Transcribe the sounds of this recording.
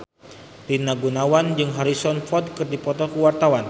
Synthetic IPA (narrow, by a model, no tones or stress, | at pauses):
linaɡunawand͡ʒɨŋɦaɾisɔnfɔd̚kɨrdipɔt̪ɔkuwart̪awan